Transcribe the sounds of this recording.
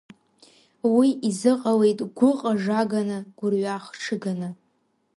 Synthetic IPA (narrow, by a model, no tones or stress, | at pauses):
wiʔizɨqʼawe̞jtʼɡʷʊqʼaʐaɡanɨɡ̥ʷʊrɥaχʈ͡ʂʰɨɡanɨ